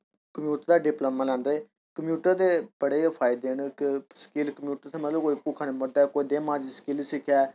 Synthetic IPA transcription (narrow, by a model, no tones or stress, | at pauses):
kəmjuːʈəɾd̪aːɖɪploːmaːlɛ̃ːnd̪eː | kəmjuːʈəɾd̪eːb̥əɽeːpʰaːɪd̪eːɳkɪsə̥kɪlkəmjuːʈəɾt̪ʰeːmət̪ləbkoːiːpuːkʰaːneːməd̪aːkoːiːd̪eːmãːd͡ʒisə̥kɪlsɪkʰjaː